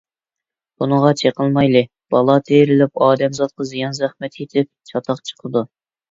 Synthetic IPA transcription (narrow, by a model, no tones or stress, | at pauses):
b̥unəʁɑt͡ʃʰeqəlˠmɑjlˠɨ | b̥ɑlˠɑt̪ʰeɾɪlɪpɑːd̪ɛmzɑt̪̚qɑzijɑnzæχmɛt̪ʰet̪ʰɪp̚t͡ʃʰɑt̪ʰɑqt͡ʃʰə̥qʰəd̪u